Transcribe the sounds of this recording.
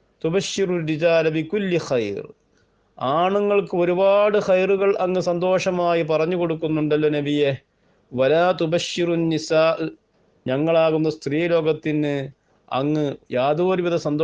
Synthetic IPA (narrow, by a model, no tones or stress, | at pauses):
t̪ubɐʃːiruɾid͡ʑaːlɐbikulːixɐjr | aːɳuŋːɐɭkɨo̞ɾubaːɽɨxɐjruɣɐɭʔɐŋːɨsɐnd̪o̞ːʂɐmaːjipɐrɐɲːuko̞ɽukːunːuɳɖɐlːonɐbije | ʋɐlaːt̪ubɐʃːirunːisaːʔɨ | ɲɐŋːɐɭaːɣunːɐst̪riːlo̞ːɡɐt̪ːinːɨ | ɐ̰ŋːɨjaːd̪uːɾiʋiðɐsɐnd̪o